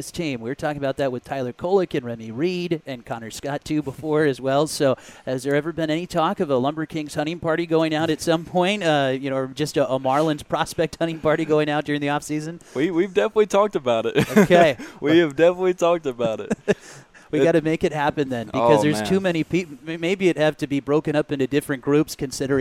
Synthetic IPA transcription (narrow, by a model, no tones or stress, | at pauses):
ɪstʰĩmwɪɹtʰɔkɪ̃ŋɨəbaʊt̪̚ðɨt̚wɨð̥tʰaɪlˠə˞kʰoʊlˠəkɨ̃nɹɛmiɹiɾɨ̃nkʰɑ̃ñə˞skɑtʰʉbəfɔɹɨzwɛlˠsoʊhɨzðə˞ɛvə˞bɨ̃nɛnitʰɔkʌvəlʌ̃mbə˞kʰɪ̃ŋz̥hʌ̃ɾ̃ɪ̃ŋpʰɑɹɾiɡoʊɪ̃ŋaʊɾɨtsʌ̃mpʰɔ̃ɪ̃ntʌjɨñoʊd͡ʒʌstəʔəmɑɹlˠə̃nz̥pʰɹ̥ɑspɛk̚t̚hʌ̃ɾ̃ɪ̃ŋpʰɑɹɾiɡoʊɪ̃ŋaʊt̚d̥ʊɹɪ̃ŋðiɔfsizɨ̃nwiwivdɛfən̩ətˡlitʰɔk̚tɨbaʊɾɪt̚oʊkʰeɪwiɨvdɛfənətˡlitʰɔk̚tɨbaʊɾɪ̰t | wiɡɑɾɨmeɪkɨt̚hæpɨ̃nðɨ̃nbɨkʌzðə˞z̥tʰʉmɛɾ̃ipimeɪbiɨt̚hɨftɨbibɹoʊkɨ̃ɾ̃ʌpɪ̃ntʉdɪfɹɨ̃nɡ̥ɹʉpskɨ̃nsɪɾə˞